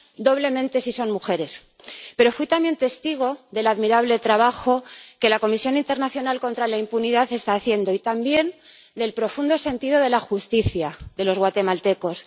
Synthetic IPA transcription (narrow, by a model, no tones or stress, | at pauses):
d̪o̞βle̞mẽ̞nt̪e̞siso̞nmuxe̞ɾe̞s | pe̞ɾo̞fwit̪ambje̞nt̪e̞st̪iɣ̞o̞ðe̞laðmiɾaβle̞t̪ɾaβ̞axo̞ke̞lako̞misjo̞nint̪eɾnaθjo̞nalko̞nt̪ɾalaimpuniðaθe̞st̪aːθje̞nd̪o̞it̪ambje̞n | d̪e̞lpɾo̞fund̪o̞se̞nt̪iðo̞ðe̞laxust̪iθjaðe̞lo̞zɣwat̪e̞malt̪e̞ko̞s